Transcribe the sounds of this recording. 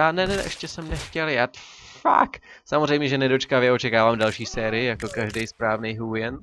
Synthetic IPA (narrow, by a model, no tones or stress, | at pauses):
aːnɛnɛʔɛʃcɛsɛmnɛxcɛljaː | fa̰k | samorɛjmɲɛʒɛnɛdo̞t͡ʃkavjɛʔo̞t͡ʃɛkaːvaːmdalʃiːsɛːɾɪɪjako̞kaʒdɛjspɾaːvnejɦuːjɛn